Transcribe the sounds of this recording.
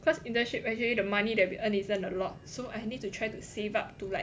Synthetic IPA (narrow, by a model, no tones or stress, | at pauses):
kʰlasĩntəʃip̚ɛk̚t͡ʃuəlidəmanidɛt̚bḭʔãnizə̃nəlɔt̚soʔajnid̚tutʰɹajtusevap̚tula